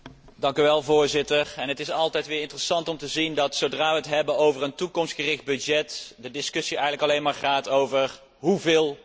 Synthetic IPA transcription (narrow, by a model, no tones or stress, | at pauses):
dɑŋkyʋɛlˠvʊːɹzɪtəɹɛnɦətɪsɑlˠtɛjtʋɪːɹɪntərəsɑntɔmtəzindɑtsowdraːʋəɦətɦɛbənowvərəntukɔmstχərɪχd̚bɵd͡ʒɛtdədɪskɵsiɛjɣənləkɑlejnmaːɹχaːtowvər | ɦuvɪːlˠ